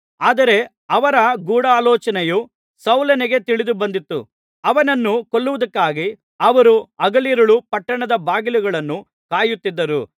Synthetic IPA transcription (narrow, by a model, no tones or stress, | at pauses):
aːd̪ɐɾe̞ | ɐʋɐɾɐɡuːɽaːlɔːt͡ʃɐnɛju | sɐwlɐnɛɡe̞t̪iɭid̪ubɐnd̪it̪ːṵ | ɐʋɐnɐnːukoɭːuʋɐd̪ɐkːaːɡi | ɐʋɐɾuɐɡɐliɾɐɭupɐʈːɐɳɐd̪ɐbaːɡiluɡɐɭɐnːu | kaːjut̪ːid̪ːɐɾṵ